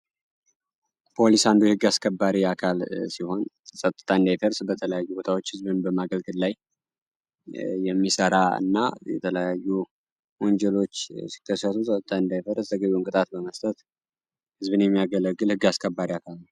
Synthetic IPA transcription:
pʰo̞lisand̪uhɨɡːaskʰəbːaɾiakʰalsiho̞n | sʼət̪ʼːɨ̥t̪ʰaɨnd̪ajfəɾsbət̪ʰələjajːubo̞t̪ʰawo̞t͡ʃːhɨzbɨnbəmaɡəlɡɨllaj | jɛmːisəɾaɨ̰nːa̰jɛ̰t̪ʰələjajːu | wɔɲd͡ʒɛlo̞t͡ʃːsi̥kʰːəsːət̪ʰusʼət̪ʼːɨt̪ʰaɨnd̪ajfəɾst̪ʰəɡəβiɨŋkʼɨt̪ʼat̪bəməst̪ʼət̪ | hɨzbɨnjɛmːijaɡələɡːɨlhɨɡːaskʰəbːaɾiakʰalnəw

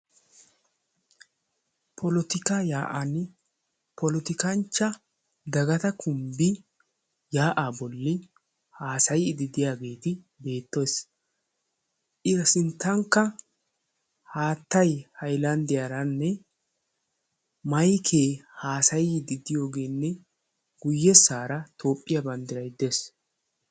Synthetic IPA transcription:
pʰɔlɔt̪ɪkajaːʔɐnː | pɔlɔt̪ɪkɐnt͡ʃːɐ | d̪ɐɡɐt̪ɐkʰʊmbɪ | jaːʔabɔlːɪ | haːsɐjɪd̪ɪd̪ɪjaːɡe̞ːt̪ɪ | be̞ːt̪ːos | ʔɪɾsɪnt̪ːɐŋkːɐ | haːt̪ːɐjhɐjlɐnd̪ɪjaɾɐnːɛ | mɐjkʰeːhaːsɐjɪd̪ɪd̪ɪjo̞ːɡe̞ːnːɛ | ɡʊjːɛsːaːɾɐt̪ʰo̞ːpʼːɪjɐbɐnd̪ɪɾɐjd̪es

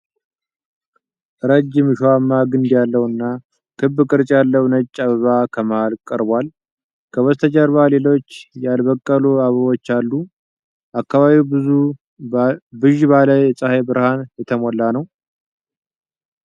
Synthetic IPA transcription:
ʔɾəd͡ʒːɪmʃwamːaɡɨnd̪jalːəwɨnːa | kʰɨbːɨkʼɨɾt͡ʃʼjalːəwnət͡ʃʼːaβəβakʰəməhalkʼəɾbwal | kʰəwɔst̪ʰət͡ʃʼəɾβale̞lo̞t͡ʃːjalbəkʼːəluaβəβo̞t͡ʃːalːu | ʔakːaβaβiwu | bɨʒβaləjɛsʼəhebɨɾhanjɛt̪ʰəmɔlːanəw

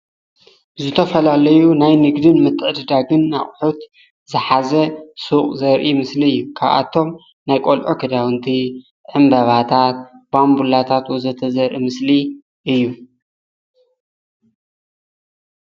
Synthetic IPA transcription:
zɨt̪ʰɐfɐlalɐjunajnɨɡd̪ɨnmɨt̪ʰːɨʕɨd̪ɨd̪aɡɨnːa̰χʼħut̪ | zɨħazɐsuχʼzɐɾʔimɨsliɨjːukʰaβa̰t̪ʰːo̞m | najkʼolʔokʰɐd̪awɨnt̪ʰi | ʕɨmbɐβat̪ʰat̪̚bambulat̪ʰat̪wuzɐt̪ʰɐzɐɾʔimɨsli | ʔɨjːu

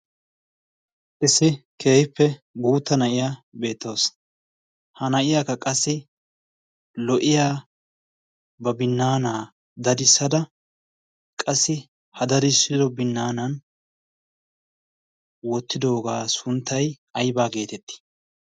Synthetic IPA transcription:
ʔɪsːɪkʰeːjpːɛ | ɡuːt̪ːɐnɐʔɪjaːbe̞ːt̪ːoːs | hɐnɐʔɪjakːɐkʼɐsːɪ | lɔʔɪjaː | bɐbɪnːaːnaː | d̪ɐd̪ɪsːɐd̪ɐ | kʼɐsːɪ | hɐd̪ɐd̪ɪsːɪd̪ɔbɪnːaːnɐn | wɔt̪ːɪd̪o̞ːɡaːsʊnt̪ːɐj | ɐjbaːɡe̞ːt̪ɛt̪ːɪ̥

